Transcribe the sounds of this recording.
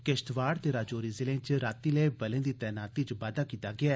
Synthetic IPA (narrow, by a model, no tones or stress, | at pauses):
keʃt̪ʋaːɽt̪eːɾaːd͡ʒoːɾizɪlẽt͡ʃɾaːt̪iːleːbɐlẽːd̪iːt̪ɛːnaːt̪it͡ʃbaːd̪aːkiːt̪aːɡɪaː